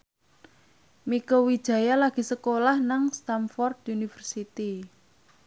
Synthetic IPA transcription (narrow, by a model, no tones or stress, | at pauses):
mikowid̥ʒ̥a̤jalaɡ̥i̤səkolahnaŋst̪amfɔrd̪unifərsit̪i